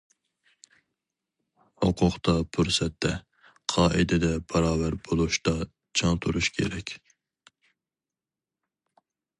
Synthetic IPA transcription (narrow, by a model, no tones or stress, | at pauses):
hoqʰʊqt̪ʰɑpʰuɾsɛt̪ːɛ | qʰɑːʔid̪ɪd̪ɛbɑɾɑːvæɾbolˠuʃt̪ɑ | t͡ʃʰɑŋt̪ʰuɾuʃkʲʰḛɾɛkʲ